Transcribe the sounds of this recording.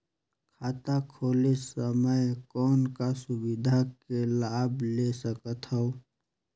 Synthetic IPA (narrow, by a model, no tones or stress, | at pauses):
kʰaːt̪akʰoːlesəməjkɔːnkasʊbɪd̪ʱakelaːblesəkət̪ɦɔo